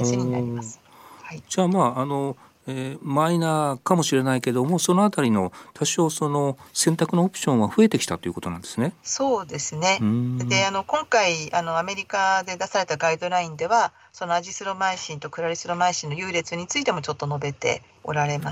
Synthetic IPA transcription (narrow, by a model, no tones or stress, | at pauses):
ɕiia̰imasɨ̥ | haid͡ʑaːmaːno̞ | eːmainakamo̞ɕiɾe̞naike̞d̪o̞mo̞so̞no̞at̪aɾʲino̞t̪ʰaɕo̞ːso̞no̞sẽ̞nt̪akɯ̟noːpɯ̥ɕõ̞ɰ̃βaɸɯ̟e̞t̪e̞kʲi̥t̪at̪ːo̞iɯ̟kot̪o̞nã̰nd̪e̞sɨneso̞ːd̪e̞sɨne̞d̪eano̞kõ̞ŋkaiano̞ame̞ɾʲikad̪e̞d̪asaɾe̞t̪aɡaid̪o̞ɾaĩnd̪e̞βa | so̞no̞aʑisɨɾo̞maĩɕĩnt̪o̞kɯ̟ɾaɾʲisɨɾo̞maĩɕĩnːo̞jɯ̟ːɾe̞t͡sɨɲ̟it͡sɨit̪e̞mo̞t͡ɕo̞t̪ːo̞no̞be̞t̪e̞̰ | o̰ɾaɾe̞ma